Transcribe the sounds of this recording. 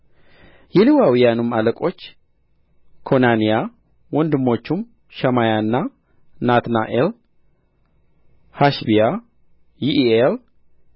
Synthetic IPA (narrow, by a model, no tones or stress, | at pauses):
jɛliwawijanɨmaləkʼo̞t͡ʃː | kʰo̞nanija | wɔnd̪ɨmːo̞t͡ʃːum | ʃɛmajanːa | nat̪naʔel | haʃbija | jiʔel